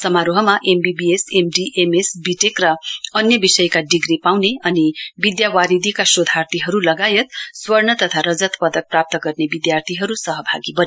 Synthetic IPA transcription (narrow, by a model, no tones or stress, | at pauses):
sʌmaɾoɦʌmaʔembibiesemɖiʔemesbiʈekrʌʌnjʌbisʌjkaɖiɡripawneʌnibid̪jawaɾid̪ʱikasod̪ʱart̪iɦʌɾulʌɡajʌt̪swʌrnʌt̪ʌt̪ʰaɾʌd͡zʌt̪pʌd̪ʌk̚prap̚t̪ʌɡʌrnebid̪jart̪ʰiɦʌɾusʌɦʌbʱaɡibʌn